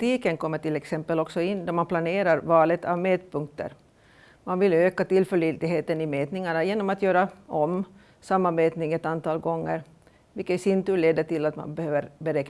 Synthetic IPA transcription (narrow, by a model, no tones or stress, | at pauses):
t̪iːkənkʰɔmːəʈɪlɛksɛmpːəlɔksɔɪnːd̪æɾmanpʰlaneːɾaɾvɑːlət̪ʰa̰vmeːt̪̚pʰɵŋkt̪ə̰ɾ | manvɪløːkat̪ɪlːfœɭit̪ɪɡɦeːt̪ənɪmeːt̪nɪŋaɳajeːnɔmat̪jøːɾaɔm | samːanveːt̪nɪŋɛt̪ant̪ʰɑːlɡɔŋːə̰ɾ | vɪkːəsɪnt̪ʉːleːd̪əʈɪlat̪ma̰nbɛhøːvəɾbɛɾɛk